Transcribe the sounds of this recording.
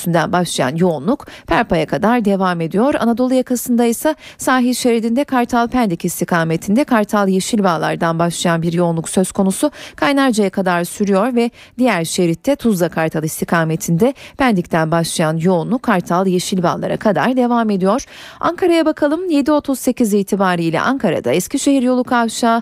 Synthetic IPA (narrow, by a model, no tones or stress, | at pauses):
ynd̪ænbaʃlˠaja̰njo̞unlˠukpʰæɾpajakʰad̪aɾd̪e̞vaːme̞d̪ijo̞ɾa̰nad̪olˠujakʰasɯnd̪ajsasaːɦiʃeɾid̪ind̪ɛkʰaɾt̪ʰalˠpʰænd̪icist̪ʰikʰaːme̞t̪ʰind̪ɛkʰaɾt̪ʰalˠjeʃilʲbalˠa̰ɾd̪anbaʃlˠajanbiɾjo̞unlˠuksøz̥kʰo̞nusukʰajnaɾd͡ʒajakʰad̪aɾsyɾyjo̞ɾvɛ | d̪ijæɾʃeɾit̪ʰːɛt̪ʰuzd̪akʰaɾt̪ʰalˠist̪ʰikʰaːme̞t̪ʰind̪ɛpʰænd̪ict̪ʰænbaʃlˠajanjo̞unˠukʰaɾt̪ʰalˠjeʃilʲba̰ːlˠa̰ɾa̰kʰad̪a̰ɾd̪e̞vaːme̞d̪ijoɾ̥ | a̰ŋkʰaɾajabakʰalˠɯmje̞d̪io̞t̪ʰuzse̞cʰiziːt̪ʰibaːɾiːlʲɛ̰ʔaŋkʰaɾa̰d̪a̰ɛscʰiʃe̞ɦiɾjo̞lˠukʰavʃaː